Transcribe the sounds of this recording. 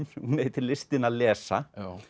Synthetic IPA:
nhuneːjɪt̪ʰɪlɪst̪ɪnaðlɛːsa̰

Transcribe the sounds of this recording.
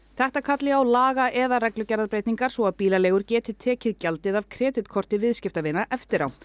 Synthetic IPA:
θɛht̪akʰat̪lɪawlaːɣaʔɛðaɾɛklʏcɛɾðaðpɾejt̪niŋkaɾ̥sɔaðpiːlaleːɣʏɾcɛːt̪ɪt̪ʰɛːcɪðcalt̪ɪðavkʰɾɛːt̪ɪt̪kʰɔr̥t̪ɪvɪðscɪft̪avɪnːaʔɛft̪ɪɾa̰w

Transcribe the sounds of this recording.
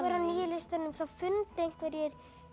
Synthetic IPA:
vɛɾaniːjɪlɪst̪aɾnʏmθawfʏnt̪ejŋ̥k̪ɛɾjɛɾ̥

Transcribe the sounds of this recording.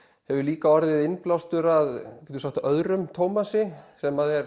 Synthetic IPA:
hɛvʏɾliːkaɔɾðɪðɪnplawst̪ʏɾaðcɛt̪usakt̪œðɾʏmt̪ʰoːwmasɪsɛmaðɛɾ̥

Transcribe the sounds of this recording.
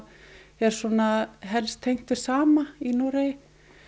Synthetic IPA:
ɛɾ̥sɔːnaɦɛlst̪ʰejŋ̥t̪ʏ̥saːmainoɾe

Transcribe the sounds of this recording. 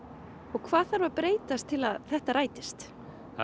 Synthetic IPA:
ɔɣkʰvaːðθaɾvaɾpɾeːjt̪ast̪ʰːɪlaðθɛht̪aɾaːjt̪ɪst̪

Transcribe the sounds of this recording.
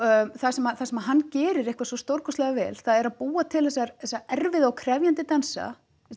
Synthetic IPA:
θasɛmaθasɛmaɦanːcɛːɾɪɾehkvasɔst̪owɾkɔst̪lɛɣavɛ̰ːlθaðɛɾaðpuːat̪ʰɪlhɛsaɾθɛsaɛɾvɪðaawkʰɾɛvjant̪ɪt̪ansa̰

